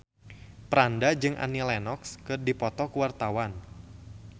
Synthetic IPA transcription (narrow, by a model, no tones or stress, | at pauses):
pɾandad͡ʒɨŋʔa̰nilɛnɔkskɨrdipɔt̪ɔkuwart̪awan